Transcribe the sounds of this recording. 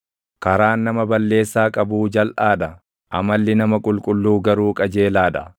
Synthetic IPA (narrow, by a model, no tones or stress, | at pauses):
kɐɾaːnːɐmɐbɐlːe̞ːsːaːkʼɐbuːd͡ʒɐlʔaːd̪ɐ | ʔɐmɐlːɪnɐmɐkʼʊlkʼʊlːuːɡɐɾuːkʼɐd͡ʒe̞ːlaːd̪ɐ